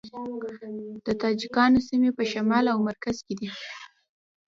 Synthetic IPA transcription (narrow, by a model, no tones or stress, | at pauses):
d̪̥ət̪ɑd͡ʒɪkɑnosimepəʃamɑlawmaɾkaz̥ked̪i